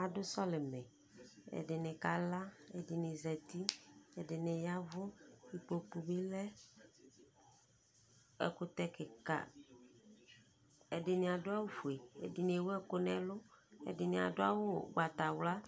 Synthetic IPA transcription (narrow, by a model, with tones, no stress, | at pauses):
a˨dʊ˦sɔ˦le˨mɛ̃˨ | ḛ˨ɖɪ˨nẽ˨ka˨la˦e˨di˨ne˨zɛ˨t̪i˦e˨dɪ˨ne˨ja˦vʊ˦i˨k͡po˨k͡pu˨bi˦lɛ˦ | ɛ̰˨ko˦t̪ɛ˦ke˨ka̰˨ | e˨dɪ˨nĩ˨a˨dʊ˦a˦wo˦fu˨e˨ḛ˨di˨n˨e˨wo˦ɛ˦ko˦nɛ̃˨lʊ˦ḛ˨dɪ˨nĩ˨a̰˨do˦a̰˦wo˦˨ɡ͡ba˨t̪a˨wla˦